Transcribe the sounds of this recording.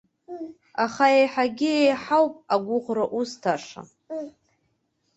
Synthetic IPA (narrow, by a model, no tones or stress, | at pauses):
aχaejħaɡʲɪejħawpʼaɡʷʊχʷraʔustʰaʂa̰